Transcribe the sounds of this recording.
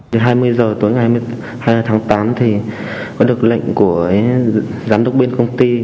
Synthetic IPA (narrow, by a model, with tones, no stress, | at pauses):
e˨˦ɦaː˧jmɨ˧əjzəː˨˩t̪u˨˦jŋa˨˩hm˧ | ha˧jt̪ʰaː˨˦ŋt̪aː˨˦mt̪ʰi˨˩ | kɔ˨˦ɗɨ˨˩ək̚lə̰˧˨jŋ̟ku˧˩ə | zaː˨˦mɗə˨˧˩wk͡p̚ɓe˧nkə˧wŋ͡mt̪i˧